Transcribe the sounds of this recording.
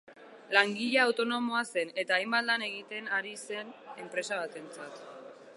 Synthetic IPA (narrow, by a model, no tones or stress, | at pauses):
laŋɡiʎaːwt̪o̞no̞mo̞ase̞ne̞t̪aːjmbat̪̚lane̞ɣ̞it̪e̞naɾise̞ne̞mpɾe̞saβat̪e̞nt͡sat̪